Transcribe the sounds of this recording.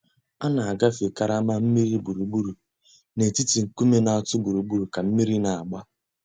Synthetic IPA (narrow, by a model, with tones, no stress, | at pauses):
a˦na˨a˨ɡa˦fe˨ka˨ɾa˦ma˦m̩˦mi˦ɾi˦bu˨ɾu˨ɡ͡bu˦ɾu˨ | ne˨ti˦ti˨ŋ̩˨ku˦me˦na˨a˨tʊ˦ɡ͡bu˨ɾu˨ɡ͡bu˦ɾu˨ka˨m̩˦mi˦ɾi˦na˨a˨ɡ͡ba˦